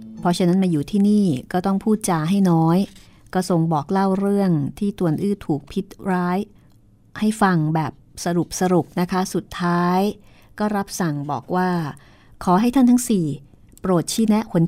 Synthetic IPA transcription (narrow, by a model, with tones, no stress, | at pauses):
pʰɔ˧˥t͡ɕʰa˦˥na˦˥nmaː˧juː˨˩t̪ʰiː˥˩niː˥˩kɔː˥˩t̪ɔ˥˩ŋpʰuː˥˩t̪̚t͡ɕaː˧ɦa˥˩jnɔː˦˥j | kɔː˥˩so˨˩ŋbɔː˨˩k̚la˥˩wɾɯ˥˩əŋt̪ʰiː˥˩t̪u˧˩ənʔɯː˥˩t̪ʰuː˨˩k̚pʰi˦˥t̪̚ɾaː˦˥j | ha˥˩jfa˧ŋbɛː˨˩p̚sa˧ɾu˨˩p̚sa˧ɾu˨˩p̚na˦˥kʰa˦˥su˨˩t̪ʰːaː˦˥j | kɔː˥˩ɾa˦˥p̚sa˨˩ŋbɔ̰ː˨˩k̚waː˥˩ | kʰɔː˩˦ɦa˥˩jt̪ʰa˥˩nt̪ʰa˦˥ŋsiː˨˩ | pɾoː˨˩t̪̚t͡ɕʰiː˦˥nɛ˦˥ʔkʰo˨˩˦n